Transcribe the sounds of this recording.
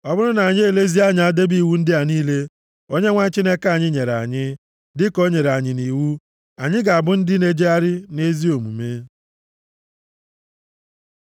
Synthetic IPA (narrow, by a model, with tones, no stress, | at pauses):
ɔ˦bʊ˦ɾʊ˦na˨ɲ˦e˨le˦zi˦a˦ɲɪ˨˦a˦de˦bi˦˨wu˦n̩˦dɪ˦a˨niː˦le˦ | o˦ɲe˦ŋʷa˦ɲ˦t͡ʃi˦ne˦ka˦˨ɲɪ˦ɲe˨ɾa̰˨ɲɪ˦ | dɪ˦ko˦ɲe˨ɾa˨ɲɪ˨ni˨wu˦ | a˨ɲɪ˦ɡa˨a˨bʊ˦n̩˦dɪ˦ne˦d͡ʒe˦a˦ɾɪ˦ne˦zi˦o˨mṵ˨me˦